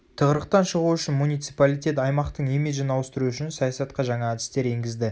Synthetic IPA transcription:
t̪ʰəʁəɾəqt̪ɑnʃəʁuʏʃɪnmunijt̪sipalʲˠijt̪ʲe̞t̪ɑjmɑqt̪əɴemeʒɪnɑwəst̪ɪɾuʏʃɪnsɑjɑsɑt̪qɑʒɑɴɑæd̪ɪst̪e̞ɾe̞ŋɡʲɪzd̪ɪ

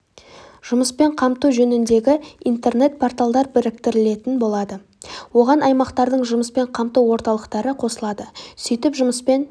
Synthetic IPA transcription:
ʒ̥ʊməspe̞ɴqʰɑmt̪uʒɵnɪnd̪e̞ɡʲɪijnt̪e̞rne̞t̪̚pʰo̞rt̪alˠd̪ɑɾbɪɾɪk̚t̪ɪɾɪle̞t̪ɪnbo̞lˠɑd̪ə | wo̞ʁɑnʔɑjmɑqt̪ɑɾd̪əɴʒʊməspe̞ɴqʰɑmt̪uwwo̞ɾt̪ɑlˠəqt̪ɑɾəqʰo̞səlˠɑd̪əsʏjt̪ɪpʒʊməspe̞n

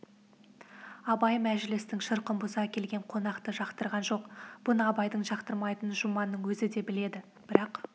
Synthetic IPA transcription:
ɑbɑjmæʒɪlɪst̪ɪŋʃəɾqəmbʊzɑkʲʰe̞lɡʲe̞ɴqʰo̞nɑqt̪əʒɑqt̪əɾʁɑnʒo̞qb̥ʊnəɑbɑjd̪əɴʒɑqt̪əɾmɑjt̪ənʒʊmɑnːəɴwɵzɪd̪e̞bɪle̞d̪ɪ | b̥ɪɾɑq

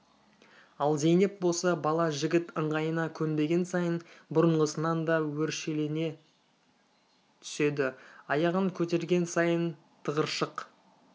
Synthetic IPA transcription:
ɑlˠze̞jne̞p̚bo̞sɑbɑlˠɑʒɪɡʲɪt̪əɴʁɑjənɑkʲʰɵnd̪e̞ɡʲe̞nsɑjənbʊɾəɴʁəsənɑnd̪ɑwɵɾʃe̞le̞ne̞ | t̪ʰʏ̥se̞d̪ɪɑjɑʁəŋkʲʰɵt̪e̞ɾɡʲe̞nsɑjən | t̪ʰəʁəɾʃəq

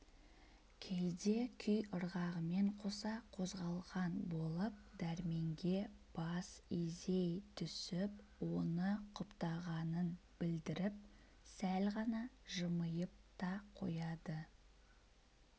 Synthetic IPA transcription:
kʲʰe̞ld̪e̞kʲʰʏjʊɾʁɑʁəme̞ɴqʰo̞sɑqʰo̞zʁɑlˠʁɑnbo̞lˠəp̚d̪̥æɾme̞ŋɡʲe̞b̥ɑsizejt̪ʰʏsɪp | wo̞nəqʰʊpt̪ɑʁɑnənb̥ɪld̪ɪɾɪp̚ | sælʁɑnɑʒəməjəp̚t̪ɑqʰo̞̰jɑd̪ə

